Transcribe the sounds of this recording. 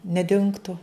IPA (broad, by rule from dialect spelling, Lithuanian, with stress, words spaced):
nʲɛˈdʲɪŋktʊ